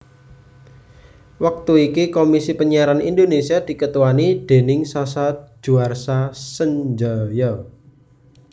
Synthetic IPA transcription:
wak̚t̪uikikomisipəɲiaɾanind̪onesiad̪̥i̤kət̪uwanid̪̥e̤nɪŋsasḁd͡ʒ̥ṳarsasəɲd͡ʒajɔ

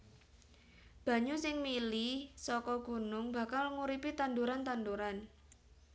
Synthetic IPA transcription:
b̥ä̤ɲusɪŋmilisɔkɔɡ̥ṳnʊŋba̤kalŋuɾipit̪and̪uɾant̪and̪uɾan

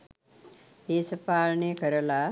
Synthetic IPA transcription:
d̪eːsəpaːɭɳekəɾəla

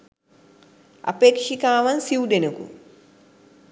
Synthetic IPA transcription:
ɐ̰peːkʂikaːʋɐnsiwd̪enɐkṵ

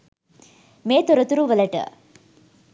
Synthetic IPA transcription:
meːt̪ɔɾɐt̪uɾuʋɐlɐʈə̰

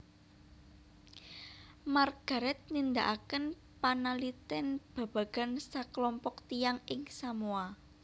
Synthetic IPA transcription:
marɡ̥a̤ɾɛt̪̚nind̪aʔakən | panalit̪ɪnb̥ä̤b̥ä̤ɡ̥a̤nsaklɔmpɔkt̪ijaŋɪŋsamua

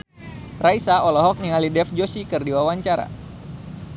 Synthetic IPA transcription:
raisaɔlɔɦɔk̚niŋalidɛfd͡ʒosikɨrdiwawaɲt͡ʃaɾa̰

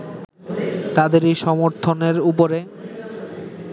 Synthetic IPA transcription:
t̪ad̪eɾiʃɔmoɾt̪ʰoneɾup̬oɾe

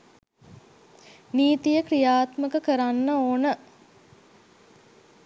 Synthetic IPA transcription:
niːt̪ijəkɾijaːt̪məkəkəɾanːəoːnə

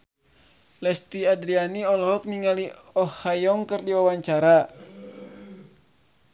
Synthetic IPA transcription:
lɛst̪iadɾianiɔlɔɦɔk̚niŋali | ɔhajɔŋkɨrdiwawaɲt͡ʃaɾa

